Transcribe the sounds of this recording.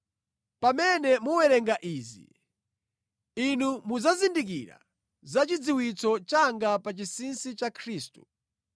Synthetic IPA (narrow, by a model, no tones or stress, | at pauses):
pamɛnɛmuwɛɾɛŋɡaʔiːzḭ | inumuzazindik̬iɾa̰ | zat͡ʃid͡ziwit͡sɔt͡ʃaŋɡapat͡ʃisinsit͡ʃakʰɾiːstu̥